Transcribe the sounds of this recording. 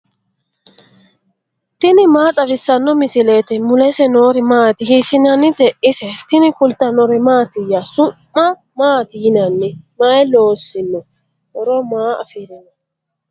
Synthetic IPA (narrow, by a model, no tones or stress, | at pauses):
t̪ɪnɪmaːt̪ʼɐbɪsːɐnːɔmɪsɪleːt̪ɛmʊlɛsɛnoːɾɪmaːt̪ɪhisɪnɐnːɪt̪ɛʔɪsɛt̪ɪnɪkʊlt̪ɐnɔɾɛmaːt̪ɪjasʊmːɐ | maːt̪ɪjɪnɐnːɛmajɛloːsːɪnːɔ | ʔɔɾɔmaːɐ̰fiːɾɐnɐ